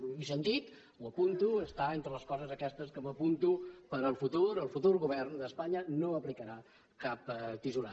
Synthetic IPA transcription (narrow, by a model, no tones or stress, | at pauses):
isənt̪it̪ | wəpunt̪uəst̪aent̪ɾələskɔzəzəkɛst̪əskəməpunt̪upəɾəlˠfut̪uɾəlˠfut̪uɾɣuβɛrnd̪əspaɲənoəplikəɾa | kap̚t̪izula